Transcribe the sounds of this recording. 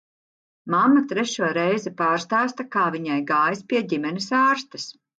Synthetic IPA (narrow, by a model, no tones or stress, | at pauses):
mamːat̪ɾɛʃuɔɾɛjzɛpaːɾst̪aːst̪ɐkaːviɲajɡaːjspʲiɛɟʲimɛnisaːɾst̪ɐs